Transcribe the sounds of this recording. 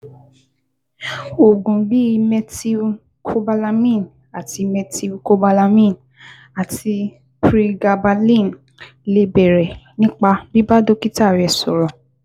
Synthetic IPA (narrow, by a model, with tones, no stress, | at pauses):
o˨ɡũ˨bi˦˧mɛ˧ti˧˦ | kʰo˦ba˧la˧mĩ˦˨n | a˨ti˧mɛ˧ti˧ko˦ba˧la˧mĩ˦˨n | a˨ti˧ | pɾi˧ɡa˧ba˧lĩ˦˨n | le˦bɛ˨ɾɛ˨nĩ˦k͡pa˧bi˦ba˦do˦ki˦ta˦˨ɾɛ˨sɔ˨ɾɔ̃˨